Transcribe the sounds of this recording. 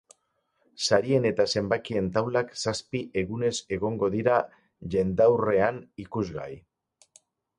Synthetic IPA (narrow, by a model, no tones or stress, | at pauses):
saɾie̞ne̞t̪ase̞mbakie̞nt̪awlaksaspiʔe̞ɣune̞se̞ɣ̞o̞ŋɡo̞ðiɾa | ʎe̞nd̪awre̞anikuzɣa̰j